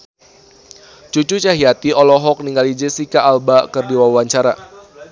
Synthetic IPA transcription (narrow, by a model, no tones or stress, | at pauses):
t͡ʃut͡ʃut͡ʃaɦiat̪iɔlɔɦɔk̚niŋɡalid͡ʒesikaʔːlbakɨrdiwawaɲt͡ʃaɾa